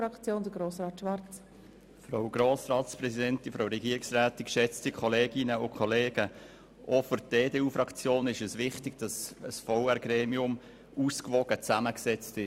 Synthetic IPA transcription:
ɾɑkt͡sjoːnd̪əɡɾoːsɾɑːt̪ʃʋɑɾt͡s | fɾawɡ̥ɾoːsɾɑːtsprɛsidɛntifɾawɾɛɡiəɾɪksræːt̪ikʃɛt͡stikʰχɔleːɡɪnəʊkʰχɔleːɡ̥ə | ʔɔfʊɾd̥eːdeːuːfɾɑkt͡sjoːnɪʃəsʋɪχtɪɡ̥̚d̥ɑsəsfɔʊɛɾɡɾeːmiʊm | uskʋɔɡ̥ət͡sæməksɛt͡stɪ

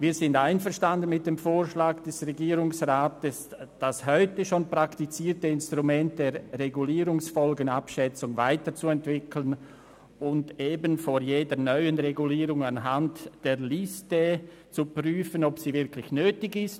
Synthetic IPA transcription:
viːzɪndaɪnfəɐʁʃtandənmɪt̚d̥eːmfoːɾʃlaːɡd̥ɛsʁeɡiːɾʊŋsʁaːtəsd̥ashɔʏtəʃoːnpʁ̥aktit͡siːɾtəɪnstʁumɛnt̚d̥eːɾːeɡuliːɾʊŋsfɔlɡənapʃɛt͡sʊŋvaɪtət͡suɛntv̥ɪkʰlən | ʊndeːbənfojeːdənœʏənʁeɡuliːɾʊŋanɦantd̥eːɐlɪstə | t͡supryːfənɔpsiːvɪɾkʰlɪçnøːtɪɡɪst

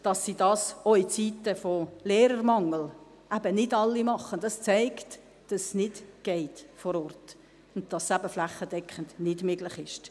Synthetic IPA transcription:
d̥ɑsːidɑːsoɪt͡sitəfoleːɾərmɑŋəl | ʔæb̥ənɪdɑlːimɑχːəndɑst͡sæɪkt | d̥ɑsːnɪd̥ɡ̥ɛɪtfɔɾɔrt | ʊndd̥ɑsːæbəflæχəd̥ɛkʰχəndnɪdmøɡlɪχɪʃt

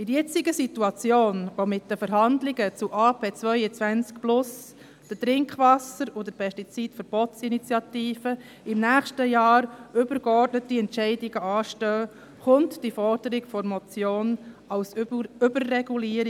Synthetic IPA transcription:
ɪɾjɛt͡siɡəsituɑt͡sjoːnʋomɪt̚d̥əfəɾɦɑndlɪɡət͡suʔɑːpʰeːt͡sʋœʏət͡sʋænt͡skplʊs | d̪̥ətɾɪŋkχʋɑsəɾod̪əɾpʰɛstit͡sitfəɾb̥ɔtsinit͡sjɑtiːfə | ɪmnæːχʃtəjɑːɾʏb̥əɾɡ̥əɔrtnətiɛntt͡ʃɛɪdɪɡ̥əɑːʃtœː | χʊntd̥ifɔrd̥əɾɪɡfɔɾmɔt͡sjoːnɑwsʏbərːɛɡuliːəɾ

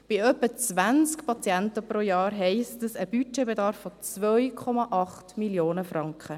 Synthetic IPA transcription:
b̥iœpːət͡sʋænt͡skpʰɑt͡sjæntəpɾojɑːɾɦɛɪstəsəb̥yt͡ʃɛbedɑɾfːɔt͡svœʏkʰɔmɑʔɑχtmiljoːnəfrɑŋkχə

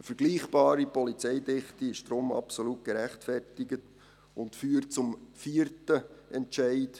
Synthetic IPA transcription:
əfəɾɡ̥liːχb̥ɑːɾipɔlit͡sɛɪdɪχtiɪʃd̥ɾʊmɑ̰psolut̚ɡ̥əɾæχtfɛrtɪɡət | ʊntfyːəɾtt͡sʊmfiːəɾtəʔɛnt͡ʃɛɪt

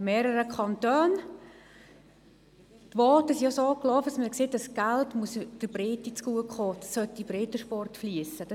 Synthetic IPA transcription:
meːɾəɾəkʰɑntœːn | tʋɔːtəsiosoːklɔːfəsməkseːt̚d̥ɑsɡ̥altmuəsd̥əbɾeːtit͡skuəkχoːd̥ɑsːœtːibɾeːtəʃpɔrtfliəsəd̥

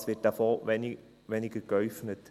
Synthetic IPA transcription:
sʋɪt̚d̥afoːʋɛn | ʋɛnɪɡ̥əkœʏfnət

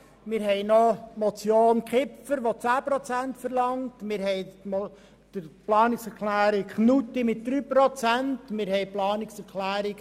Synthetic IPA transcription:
mɪːɾɦɛɪnomot͡sjoːnkχɪfəɾʋot͡sæːpɾot͡sæntfəɾlɑŋtmɪɾhɛɪ | d̥əplɑːnɪksɛɾkʰlæːɾɪkχnutimɪt̚d̪̥ɾyːpɾot͡sæntmɪɾhɛɪplɑːnɪksɛɾkʰlæːɾɪk

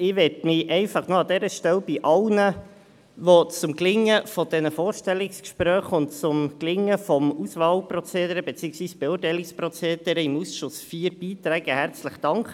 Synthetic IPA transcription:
ɪʋɛtmɪʔɛɪfɑχnoɑd̪ɛɾəʃtɛlb̥ɪʔɑlnə | ʋot͡sʊmklɪŋːəfɔd̥ɛnəfoːɾʃtɛlɪkskʃpɾœːχʊntt͡sʊmklɪŋːəfɔmusʋɑːlprɔt͡seːd̪əɾəbet͡siːəksʋiːsb̥ɛʊːrtɛɪlɪksprɔt͡seːd̪̥əɾəɪmusʃʊsfiːɾb̥iːt̪ɾæːɡ̥əhæɾt͡sləχd̥ɑŋkχə

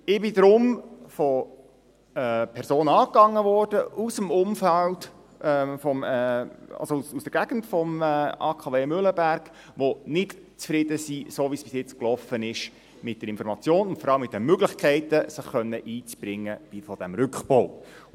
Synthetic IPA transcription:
ɪb̥ɪdɾʊmfɔ | ɛpʰɛɾsoːnɑːkɑŋːəʋɔrd̥əusəmʊmfæld | ʔɛfɔmɛɑ̰lsoususdəɾɡ̥æɡ̥n̩tfɔmɛɑ̰ːkʰɑːveːmʏləbæɾɡ̥ | ʋonɪt | t͡sfɾɪd̥əsisoːʋispɪsjɪt͡sklɔfənɪʃ | mɪt̚d̥əɾɪnfɔɾmɑt͡sjoːnʊntfɔɾɑləmɪt̚dɛnmøɡlɪχkʰɛɪtəsəχːœnːəʔiːt͡sb̥ɾɪŋːəv̥ifɔd̥æmɾʏkχb̥oʊ

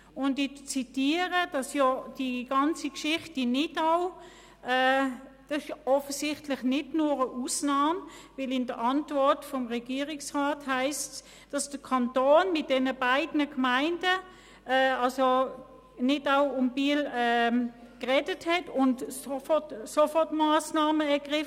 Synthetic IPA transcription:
ʊndɪt͡sitiːəʁəd̥ɑsjɔd̥iɡ̥ɑnt͡sikʃɪχtinɪdaʊ | ɛːd̥ɑsɪʃɔfəsɪχtlɪχnɪdnuːʁəʔusnaːmvɪlɪndəʔɑntvɔɐtfɔmʁɛɡiːʁɪksʁaːthaɪst | d̥ɑsd̥əkʰɑntoːnmɪt̚d̥ɛnəbaɪdnəkmaɪndə | ɛːɑlso | nɪdaʊʊmb̥iːəlɛ | kʁɛdəthɛtʊntsofɔtsofɔtmaːsnaːməɛɐɡ̥ʁɪf

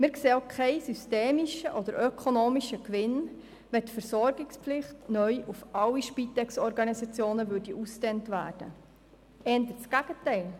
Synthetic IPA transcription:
mɪɾkseːokʰɛɪsysteːmiʃəʔɔd̥̪əɾʔøkʰonoːmiʃəkʋɪn | ʋɛtfəɾsɔɾɡ̥ɪkspflɪχtnœʏʔufɑliʃpit̪ɛksɔɾɡɑnisɑt͡sjoːnəʋʉɾdiʔustɛntʋæ̰ːrd̥ə̰ | ɛnd̪ət͡sɡ̥æɡ̥ətɛɪl

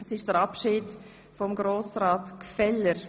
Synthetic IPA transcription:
ɛsɪʃd̥əɾapʃɪːd | fɔmɡɾoːsɾaːtkfɛləɾ

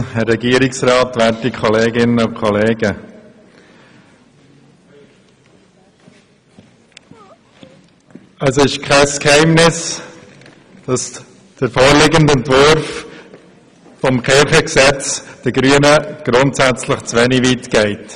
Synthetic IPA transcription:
hɛrːɛɡiːəɾɪksɾɑːtʋæːɾtikʰχɔleːɡɪnəʊkχɔleːɡə | əsɪʃkʰɛskhɛɪmnɪs | d̥ɑs | d̥əɾfoːɾlɪɡəntɛntvʊɾf | fɔmkɛχəksɛt͡sd̥əɡɾyənəɡ̥ɾʊntsæt͡sləχt͡sʋɛniʋitɡ̥ɛɪt

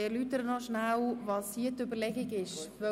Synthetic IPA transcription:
eɾlyːt̪əɾənɔʃnawvɑshiətøbəɾlɛɡiɡɪʃʋø

